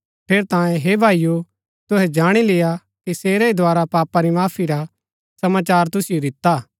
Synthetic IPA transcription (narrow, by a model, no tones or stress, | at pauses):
pʰeːɾt̪ãːjẽɦeːbʱaːiju | t̪ʊɦɛd͡ʒaːɽ̃ilɪja | kiseːɾeid̪ʱoaːɾapaːpaɾimaːpʰiɾa | sɐmaːt͡ʃaːɾt̪ʊsijod̪ɪt̪aː